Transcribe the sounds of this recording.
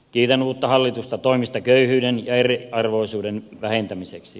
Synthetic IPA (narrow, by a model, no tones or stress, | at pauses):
kiːt̪enuːt̪ːɑhɑlːit̪ust̪ɑt̪oimist̪ɑkøyhyːdenjɑeriɑrʋoisuːdenʋæhent̪æmiseksi